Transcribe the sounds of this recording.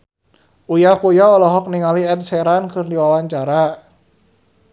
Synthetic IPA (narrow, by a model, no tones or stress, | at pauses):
ʔujakujaɔlɔɦɔk̚niŋaliɛt̪̚sɛɾankɨrdiwawaɲt͡ʃaɾa